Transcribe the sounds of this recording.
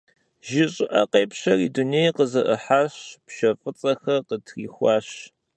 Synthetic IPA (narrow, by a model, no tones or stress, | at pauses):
ʒɪɕʼɪʔɐqeːpɕɐriːdunejqəzɐʔɨħaːɕpʃɐfʼɨt͡sʼɐxɐqətʰriːxʷɑːɕ